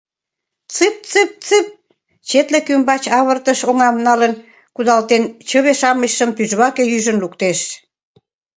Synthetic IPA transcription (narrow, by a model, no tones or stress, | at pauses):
t͡sɨp̚t͡sɨp̚t͡sɨp̚ | t͡ɕet̪lekymbɑt͡ɕɑβərt̪əʃoŋɑmnɑlən | kud̪ɑlt̪ent͡ɕəβeʃɑməɕːəmpyʒβɑkejyʒənlukt̪eʃ